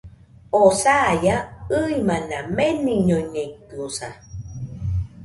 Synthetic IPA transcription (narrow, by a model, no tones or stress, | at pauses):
osajaɯimãnãmeniɲoɲeikuosa̰